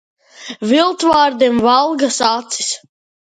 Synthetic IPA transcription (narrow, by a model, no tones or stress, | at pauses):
vilˠt̪vaːɾd̪emvalˠɡasat̪sis